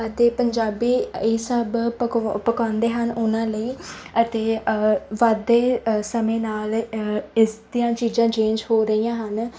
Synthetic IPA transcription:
ət̪eːpəɲd͡ʒaːbiːesəbpəkãːnd̪eːɦənʊnãːləiːət̪eːʋad̪eːsəmẽːnaːlɪsd̪ɪjãːt͡ʃiːzãːt͡ʃẽːɲd͡ʒhoːɾəiːãːɦən

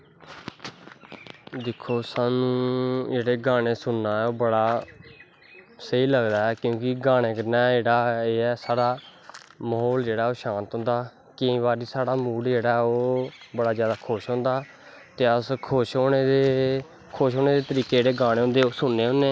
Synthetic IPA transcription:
d̪ɪkʰːoːsaːnũːd͡ʒeːɽeːɡaːɽ̃eːsʊnːaːɛːoːbəɽaː | səiːləɡd̪aːɛːkjõːkɪɡaːɽ̃eːkəɾnaːd͡ʒeːɽaːeːɛːsaːɽaː | məɦoːld͡ʒeːɽaːoːʃãːnt̪ɦʊ̃nd̪aː | kɪ̃ːʋaːɾiːsaːɽaːmuːɽd͡ʒeːɽaːoːbəɽaːzjaːd̪aːkʰʊʃɦõːnd̪aː | t̪eːəskʰʊʃoːneeː | kʰoʃɦoːneːd̪eːt̪əɾiːked͡ʒeːɽeːɡaːɽẽːɦʊ̃nd̪eːoːsʊnːeːɦʊ̃ːneː

